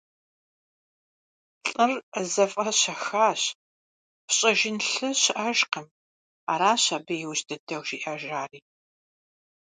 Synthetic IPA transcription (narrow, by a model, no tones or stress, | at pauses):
ɬʼɨrəzɐfʼɐɕɐxaːɕ | pʰɕʼɐʒɪnɬɨɕɪʔɐʒqəm | a̰ːɾaːɕaːbɐjɪwɕdɨdɐwʒiːʔɐʒaːriː